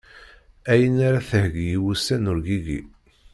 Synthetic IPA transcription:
æjənaɾaθəhɡjiwusænʊɾɡiɡḭ

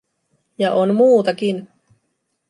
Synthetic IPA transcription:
jɑʔonmuːt̪ɑkin

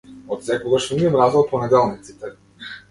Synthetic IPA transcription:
ot̪sɛkɔɡaʃniɛmɾazɔpɔnɛd̪ɛlˠnit̪si̥t̪ɛ

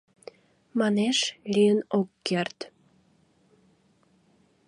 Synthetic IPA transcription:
mɑneʃlʲijənokːert̪

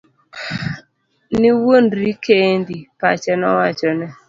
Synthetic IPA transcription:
niwonɾikendipat͡ʃɛnɔwat͡ʃɔnɛ

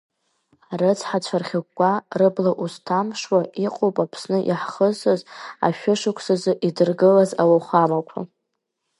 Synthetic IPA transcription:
arɨt͡sʰħat͡ʃʷʰarχʲakʷʼːarɨblaʔustʰamʂwaiqʼowpʼapʰsnɨʔiħχəzɨza̰ʃᶣʊʂɨkʷʰsɨzɨʔidɨrɡɨlazawaχʷamakʷʰa̰

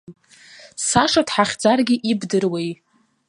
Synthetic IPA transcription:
saʂadħaχʲd͡zarɡʲiʔibdɨrwej

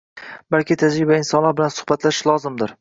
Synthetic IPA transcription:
balkʲʰɪt̪ʰad͡ʒɾɪbaɪnsɒnlaɾbɪlansʊ̥hbat̪ʰlaʃɪlˠɒzɪmd̪ɪɾ

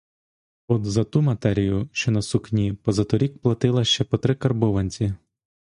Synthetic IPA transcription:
ɔd̪zɐt̪umɐt̪ɛɾʲijʊʃt͡ʃɔnɐsuxnʲipɔzɐt̪ɔɾʲik̚plˠɐt̪ɪlˠɐʃt͡ʃɛpɔt̪ɾɪkɐrbɔʋɐnʲt͡sʲi

